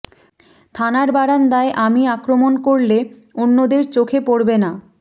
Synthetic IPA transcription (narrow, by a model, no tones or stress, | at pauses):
t̪ʰanaɾbaɾand̪aeʔamiakɾomonkoɾle | onːod̪eɾt͡ɕokʰepoɽbena